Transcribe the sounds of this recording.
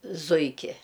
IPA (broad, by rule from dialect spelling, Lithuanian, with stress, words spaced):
ˈzʊɪkʲɪ